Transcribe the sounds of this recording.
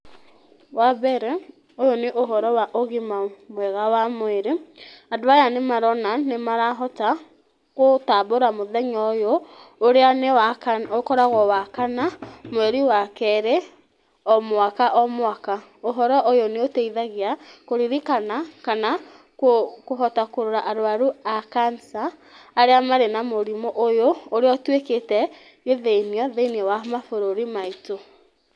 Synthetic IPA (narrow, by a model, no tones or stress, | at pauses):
waβɛɾɛ | ojoneʔoɦɔɾɔwaʔoɣimamwɛɣawamwɛɾeadoajanemaɾɔnanemaɾaɦɔta | ɣotaboɾamoðɛɲɔjooɾeanewakokɔɾaɣɔwakanamoɛɾiwakɛɾɛ | ɔmwakaʔɔmwakaoɦɔɾɔʔojoneoteiðaɣeakoɾiɾikanakana | kokoɦɔtakoɾoɾaʔaɾoaɾuakansaː | ɾeamaɾenamoɾimoʔojooɾeɔtweketɛ | eðeiniɔðeiniɔwamafoɾoɾimaito